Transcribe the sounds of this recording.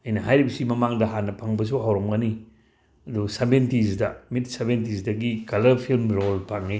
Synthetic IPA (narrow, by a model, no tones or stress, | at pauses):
ɐjnɐɦajɾibɐsimɐmaŋdɐɦanːɐpʰaŋbɐs̬uɦawɾomɡɐni | ɐdusabentizdɐmit̚sabentisdɐɡikɐlɐɾpʰilmɾolpʰaŋi